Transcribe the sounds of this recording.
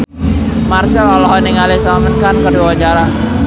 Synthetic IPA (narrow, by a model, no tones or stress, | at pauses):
marsɛlɔlɔɦɔniŋalɛsamənkankəduawat͡ʃaɾa